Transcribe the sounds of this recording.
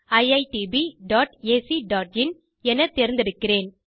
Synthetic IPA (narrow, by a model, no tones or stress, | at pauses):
ɐɪɐɪʈibiɖaːʈeːsiɖaːʈɪn | ɛnɐt̪ːeɾɪnd̪ɪɾɯkːɪɾeːn